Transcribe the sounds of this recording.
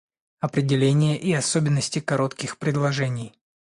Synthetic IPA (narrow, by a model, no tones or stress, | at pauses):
ɐpɾʲɪdʲɪlʲenʲɪjəʔiɐsobʲɪnːəsʲtʲɪkɐɾo̞t̪kʲɪxpɾʲɪd̪lˠɐʐɛnʲɪj